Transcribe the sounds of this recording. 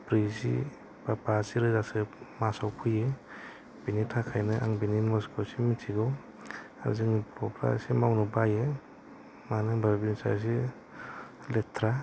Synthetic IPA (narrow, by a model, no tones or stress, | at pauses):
pɾizḭ | bapasiɾɯzasɯmasawpʰɯje | b̥initʰakʰajnɯʔa̰ŋbininmɔskʰosimitʰiɡɯw | a̰ɾzɯŋpʰɔpʰɾa̰simawnɯbaje | manɯbʱabinsa̰s̬i | letʰɾa